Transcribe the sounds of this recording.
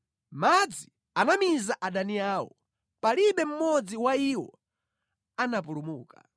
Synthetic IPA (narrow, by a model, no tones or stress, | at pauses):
mad͡zi | anamizaʔaɗaniaːwɔ̰ | paliɓɛm̩mɔd͡ziwaiwɔ | anap̬ulumuːka̰